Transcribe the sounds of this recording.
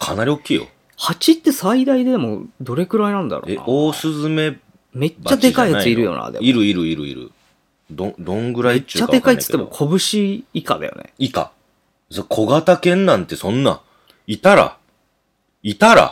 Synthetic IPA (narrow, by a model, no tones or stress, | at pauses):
kʰanaɾʲio̞kʲːiːjo̞̰ | hat͡ɕit̪ːe̞said̪aid̪e̞d̪emo̞d̪o̞ɾe̞kɯ̟ɾainãnd̪a̰ɾo̰ːen̰oːsɨzɨme̞ | me̞t͡ɕt͡ɕːad̪e̞kaijat͡sɨiɾɯ̟jo̞̰ːna̰d̪ḛiɾɯ̟iɾɯ̟iɾɯ̟̰ḭɾɯ̟̰ | d̪õd̪õŋɡɯ̟ɾaiːadk̪e̞kait̪ɨ̥k̪ːemokʰo̞bɯ̟ɕiika̰d̪a̰jo̰nḛika̰ | sokʰo̞ɡat̪akẽ̞nːãnt̪e̞sõ̞nːã̰ | it̪aɾa̰ | it̪aɾa̰